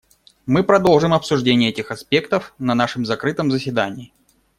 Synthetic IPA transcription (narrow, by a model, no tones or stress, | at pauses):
mɨpɾɐd̪o̞lˠʐɨmɐpsʊʐdʲenʲɪjəɛtʲɪxɐspʲe̞kt̪əfnɐnaʂɨmzɐkɾɨt̪əmzəsʲvʲɪd̪anʲɪː